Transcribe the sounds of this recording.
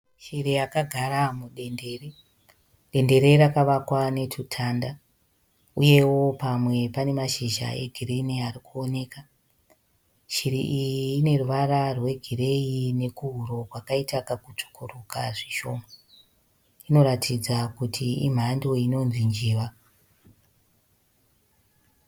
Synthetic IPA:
ʃirijakaɡʱaɾamuɗe̞nde̞ːre | ɗe̞nde̞ɾe̞ɾakaʋakwane̞tʰutʰaːnda | uje̞wo̞pamwe̞pane̞maʃiʒa̰e̞̰ɡʱireniaɾikuone̞ːka | ʃiɾḭʔijiːne̞ruʋararwe̞ɡʱire̞ine̞kuɦuɾo̞kwakaitakakut͡ʂu̥kʰurukaʐiʃo̞ːma | ino̞ɾatʰid͡zakutʰiḭm̤ando̞ino̞nzind͡ʒiːʋa

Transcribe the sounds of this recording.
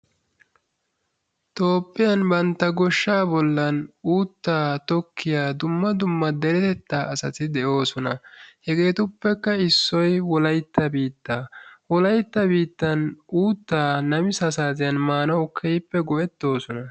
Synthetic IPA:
t̪o̞ːpʼːɪjɐnbɐnt̪ːɐɡɔʃːaːbɔlːɐnuːt̪ːaːt̪ɔkːɪjaːd̪ʊmːɐd̪ʊmːɐd̪ɛɾɛt̪ɛt̪ːaːʔɐsɐt̪ɪd̪ɛʔo̞ːsɔnɐhɛɡe̞ːt̪ʊpːɛkːɐɪsːɔjwɔlɐjt̪ːɐbiːt̪ːaːwɔlɐjt̪ːɐbiːt̪ːɐnʔuːt̪ːaːnɐmɪsɐsaːzɪjɐnmaːnɐwkʰɛjpːɛɡɔʔɛt̪ːo̞ːsɔnɐ

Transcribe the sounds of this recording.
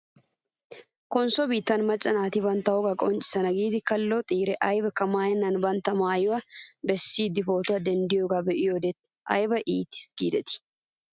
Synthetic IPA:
kɔnsɔbiːt̪ːɐnmɐt͡ʃʼːɐnaːt̪ɪbɐnt̪ːɐwɔɡɐkʼɔnt͡ʃʼɪ̥sɐnɐɡiːd̪ɪkɐlːɔt̪ʼiːɾɛʔɐjbɐkɐmaːjɐnːɐnbɐnt̪ːɐmaːjʊwɐbɛsːiːd̪ɪfoːt̪ɐd̪ɛnd̪ɪjoɡɐbɛʔɪjod̪ɛt̪ | ɐ̰jbɐʔiːt̪ːɪ̥sɡiːd̪ɛt̪ɪ̥

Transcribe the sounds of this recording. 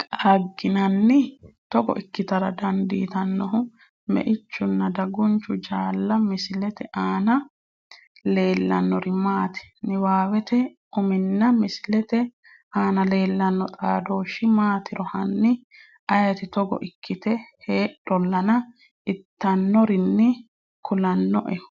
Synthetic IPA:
kʼaɡːɪnɐnːɪt̪ɔɡɔ̰ʔɪkːɪt̪ɐɾɐd̪ɐnd̪ḭːt̪ɐnːɔɦʊ | mɛ̰ʔɪt͡ʃːʊnːɐd̪ɐɡʊnt͡ʃːʊd͡ʒaːlːɐmɪsɪlɛt̪ɛʔaːnɐ | le̞ːlːɐ̰nːɔɾɪmaːt̪ɛ̥nɪwaːwɛt̪ɛ | ʊmɪnːɐmɪsɪlɛt̪ɛ | aːnɐle̞ːlːɐnːɔt̪ʼaːd̪o̞ːʃɪmaːt̪ɪɾɔhɐnːɪ | ʔɐjɐt̪ɪt̪ɔɡɔ̰ʔɪkʰːɪt̪ɛheːɗɔlːɐnɐ | ɪt̪ːɐnːɔɾɪnːɪ | kʊlɐnːɔʔɛʊ̥

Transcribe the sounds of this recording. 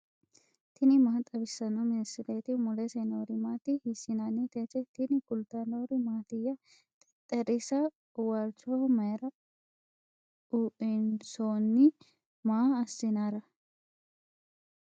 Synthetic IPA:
t̪ɪnɪmaːt̪ʼɐbɪsːɐnomɪnɪsɪɾeːt̪ɪmʊlesenoːɾɪmaːt̪ɪhɪsɪnanit̪et̪ɛt̪ɪnɪkʊlt̪ɐnoːɾɪmaːt̪ɪjːɐ | t̪ʼɛɾɪsɐ | waːɾt͡ʃomɐɾɐ | ʊʔɪnsoːnːɪ | maːɐsːɪnaɾɐ

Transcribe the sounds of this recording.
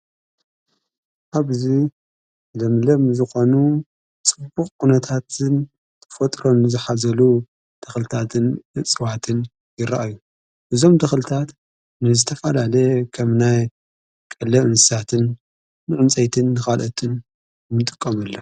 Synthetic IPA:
ʔaβzi | lɐmlɐmzɨxo̞nu | t͡sʼɨbːukʼːunɐt̪ʰat̪ʰɨn | t̪ʰɨfɐt̪ʼɾo̞nːɨzɨħazɐlu | d̪̥ɐxlɨt̪ʰat̪ʰɨnɨt͡sʼɨwat̪ʰɨn | jɪɾa̰ʔaju | ʔɨzo̞md̪ɐxlɨt̪ʰat̪ | nɨzɨt̪ʰɐfɐlalɐkʰɐmnaj | kʼɐlɐʔɨnɨsat̪ʰɨnː | ɨʕɨnt͡sʼɐjt̪ʰɨnːɨxalʔɐt̪ʰɨn | mɨt̪ʼɨ̥kʼːɐmɐlːɐ

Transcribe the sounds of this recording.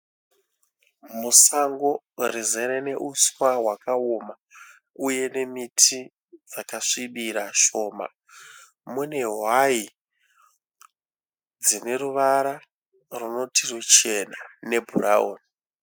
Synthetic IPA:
musaŋɡo̞ | rizeɾene̞ʔuswawakaoma | uje̞ne̞mitʰi | d͡zakaʂiɓiɾaʃo̞ːma̰ | mune̞ɦwai | d͡zine̞ɾuʋaɾa | runo̞tʰirut͡ʃe̞nane̞bʱura̰o̰ːni

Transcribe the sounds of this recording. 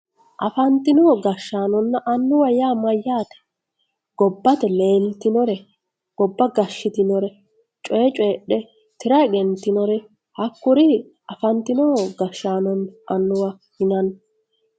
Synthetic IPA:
ʔɐfɐnt̪ɪnɔɡɐʃːaːnɔnːɐʔɐnːʊwɐjaːmɐjːaːt̪ɛ̥ | ɡ̥ɔbːɐt̪ɛle̞ːlt̪ɪnɔɾɛ | ɡ̥ɔbːɐɡɐʃːɪt̪ɪnɔɾɛ | t͡ʃʼɔːt͡ʃʼɔːɗɛ | t̪ɪɾɐɡɛnt̪ːɪnɔɾɛ | hɐkːʊɾɪ | ɐfɐnt̪ɪnɔɡɐʃːaːnɔnʔɐnːʊwɐ | hɪnɐn

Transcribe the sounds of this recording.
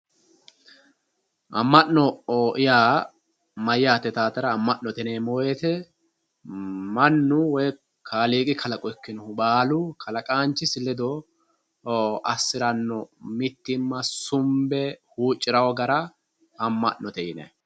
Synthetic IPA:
ʔɐ̰mːɐʔnːɔoːʔɪjaː | mɐjːaːt̪ːɛt̪aːt̪ɐɾɐːmːɐʔnːɔt̪ɛneːmoːjɛt̪ɛ | mɐnːʊwɔj | kʰaːliːkʼɪkʰɐlɐkʼɔɛkːɪnɔhʊbaːlʊkʰɐlɐkʼaːnt͡ʃːɪsɪlːɛd̪ɔ | ʔɐsːɪɾɐnːɔmɪt̪ːɪmːɐsʊmbɛhuːt͡ʃʼːɪɾɐwɔɡɐɾɐ | ɐmːɐ̰ʔnːɔt̪ɛjɪnɛ̰

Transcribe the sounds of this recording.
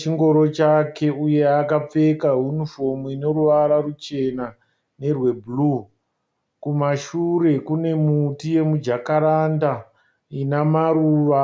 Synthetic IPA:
t͡ʃiŋɡo̞ɾo̞t͡ʃake̞uje̞akap͡fe̞kaɦjunifomuino̞ɾuʋaɾarut͡ʃe̞na | ne̞rwe̞bʱulu | kumaʃure̞kune̞mutije̞mud͡ʒakaɾanda | inamaɾuːʋa

